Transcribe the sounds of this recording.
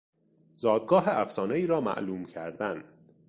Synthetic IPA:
zɒːd̪̚ɡɒːɦeʔæfsɒːneiːɾɒːmæ̰ʔluːmcʰæɾd̪æn

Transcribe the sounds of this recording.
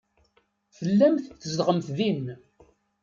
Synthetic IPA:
fəlːæmθθəzd̪ʁəmθðin

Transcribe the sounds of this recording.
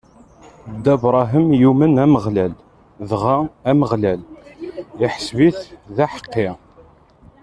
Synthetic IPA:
d̪ːæbɾˤɑɦəmjumənæməʁlæl | ðʁaæməʁlæl | ɪħəsviθðæħə̥qːɪ

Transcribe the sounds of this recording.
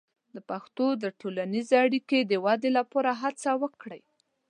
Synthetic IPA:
d̪əpaxt̪od̪əʈolanizeaɽiked̪əwɑd̪elapoɾaɦat͡sawəkɽəj

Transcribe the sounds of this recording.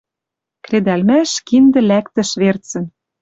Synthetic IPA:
kred̪ælmæʃkind̪ɘ̆lækt̪ə̆ʃβert͡sɘ̆n

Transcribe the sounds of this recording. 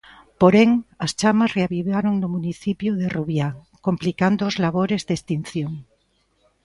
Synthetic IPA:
poɾeŋast͡ʃamasreaβiβaɾoŋnomũniθipjoðeruβja | komplikand̪oːzlaβ̞oɾezðest̪in̟θjoŋ

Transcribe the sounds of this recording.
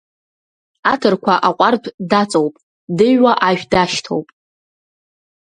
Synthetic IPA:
atʰɨrkʷʰaʔaqʷʼartʰʼdat͡sʼowpʼ | dɨɥwaʔaʒᶣdaʃtʰo̰wpʼ

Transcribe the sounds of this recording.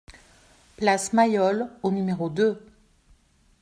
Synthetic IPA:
plasmajɔlonymeʁod̪ø

